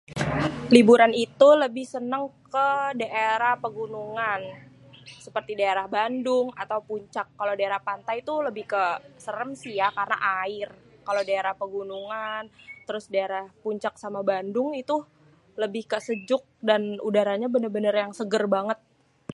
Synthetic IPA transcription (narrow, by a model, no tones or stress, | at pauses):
libuɾanit̪uləbɪhsənəŋkədaʔeɾahpəɡunuŋan | səpərt̪idaeɾahbandʊŋat̪awpuɲt͡ʃakːalodaeɾahpant̪ajit̪uləbɪhkəsəɾəmsijakarəna̰ʔaɪrkaladaeɾahpəɡunuŋant̪əɾʊsdaeɾahpuɲt͡ʃak̚samabandʊŋit̪u | ləbɪhkəsəd͡ʒʊk̚danudaɾaɲabənərbənərjaŋsəɡərbaŋət̪̚